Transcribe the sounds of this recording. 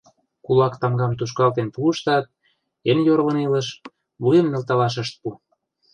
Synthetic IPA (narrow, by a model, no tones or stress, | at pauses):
kulɑkt̪ɑmɡɑmt̪uʃ̬kɑlt̪enpuəʃt̪ɑt̪̚ | enjoɾlə̆nilə̆ʃ | βujəmnĕlt̪ɑlɑʃ̬əʃt̪̚pu